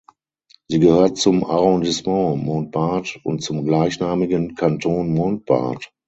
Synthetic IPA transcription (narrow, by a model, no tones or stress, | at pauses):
z̥iːɡəhøːɐtt͡sʊmaʁɔ̃ndɪsmɑ̃moːnt̚b̥aɐtʊ̰ntt͡sʊmɡlaɪçnaːmɪɡənkʰantʰoːnmont̚b̥a̰ɐt